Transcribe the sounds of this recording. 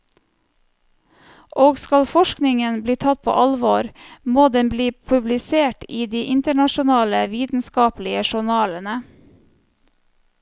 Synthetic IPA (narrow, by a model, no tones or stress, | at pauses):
ʔoːɡskɑlfɔʃknɪŋənbliːt̪ʰɑt̪̚pʰo̰ːʔɑlʋoɾmoːd̪ɛnbliːpʰʉblɪseːʈiːd̪iːʔɪnt̪əɳɑʃʊnɑːləʋiːt̪n̩skɑːplɪəʃʊɳɑːlənə